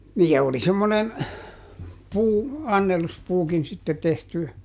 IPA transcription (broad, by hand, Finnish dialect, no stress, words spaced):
niː jɑ oli semːonen puː ɑnːeluspuːkin sitːe tehty